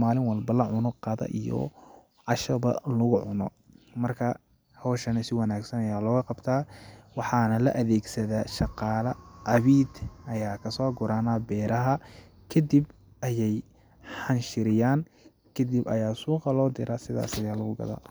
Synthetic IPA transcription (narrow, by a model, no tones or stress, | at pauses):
maːlɪŋwɑlbɐlɐʕʊnɔqɑðɐ̰ʔijɔ̰ | ʕɑʃɐβɐ̰lʊɣʊʕʊnɔ̰ | mɐrkʰɐ | hɔːʃɐnɐsɪwɑnaːɡsɐnɐjaːlɔːɣɐqɑbt̪ʰaːwɑħɑːnɐlɐʔɐðɛːɡsɐðaːʃɑqɑːlɐʔɐβiːd̪ɐjaːkʰɐsɔːɡʊɾaːnaːbɛːɾʔɐɦɐ | kʰɐd̪ib | ʔɐjɛj | ħɑnʃɪɾɪjaːn | kʰɐd̪ibɐ̰jaːsuːqɑlɔːd̪ɪɾɐsɪða̰ːsɐjaːlɐɣʊɡɐ̰ða̰ː